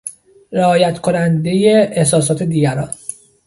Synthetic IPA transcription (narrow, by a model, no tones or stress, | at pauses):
ɾeɒːjæt̪kʰonænd̪e̞jeehsɒːs̬ɒːt̪ʰe̞d̪iːɟæɾɒn